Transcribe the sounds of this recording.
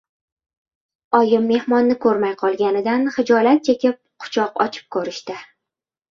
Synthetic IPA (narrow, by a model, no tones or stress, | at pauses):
ɒjɪmːe̞hmɒnːɪkʰɵɾmajqʰɒlˠɡʲanɪd̪anχɪd͡ʒɒlat̪̚t͡ʃʰekʲɪp̚qʰʊ̥t͡ʃʰɒqɒ̰t͡ʃʰɪ̥p̚kʰɵɾɪʃt̪ɪ